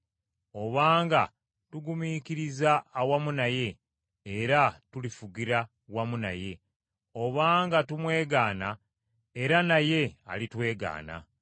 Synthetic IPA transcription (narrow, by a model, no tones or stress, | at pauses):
o̞βaːŋɡa | tuɡumikiɾizaːwamunaje̞ː | ɾatulifuɡiɾa | wamuna̰je̞ | o̞βaːŋɡatumwe̞ːɡaːna | eɾanaje̞a̰litwe̞ːɡa̰ːna̰